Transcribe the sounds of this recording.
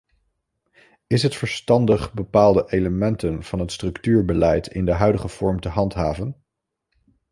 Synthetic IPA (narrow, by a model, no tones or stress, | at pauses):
ɪsɦətfəɹstɑndəχbəpaːlˠdəʔejləmɛntənv̥ɑnɦətstrɵktyːɹbəlɛjtʰɪ̰ndəɦœɥdəχəv̥ɔɹmtəɦɑntɦaːvən